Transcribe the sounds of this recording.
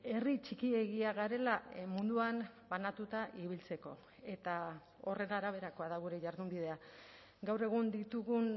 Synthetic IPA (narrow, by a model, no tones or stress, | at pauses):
e̞rit͡ʃikie̞ɣiaɣaɾe̞lamund̪uanbanat̪ut̪aʔiβ̞ilt͡se̞ko̞̰ | e̞t̪a | o̞re̞naːɾaβ̞e̞ɾako̞aðaɣuɾe̞ʝaɾðumbið̞e̞a | ɡawre̞ɣ̞und̪it̪uɣun